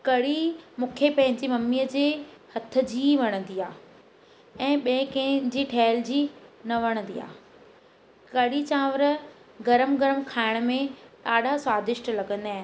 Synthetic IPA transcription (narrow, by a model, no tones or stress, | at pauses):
kɐɽimũːkʰepɐ̃ɦɪ̃ɲd͡ʑimɐmijəd͡ʑeːhɐt̪ʰə̆d͡ʑiːʋɐɽ̃ə̃nd̪iːaː | ɛ̃ːɓẽɪ̃kɛ̃ɦd͡ʑiːʈʰɛːld͡ʑiːnɐʋɐɽ̃ə̃nd̪iːa̰ː | kɐɽit͡ɕãːʋəɾə | ɡɐɾəmɡɐɾəmkʰaːɪɽ̃əmẽɗaːɗasaːd̪ɪʃʈlɐɡə̃nd̪aːɦɪ